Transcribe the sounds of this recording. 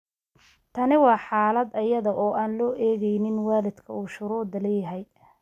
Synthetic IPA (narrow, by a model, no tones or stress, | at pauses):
t̪ʰɐnɪwɑːħɑːlɐd̪ɐjɐðɐʔɔːʔaːnlɔːʔɛːɣɛjnɪnwɑːlɪd̪kʰɐ̰uːʃʊɾuːd̪ɐlɛːjɐɦɛj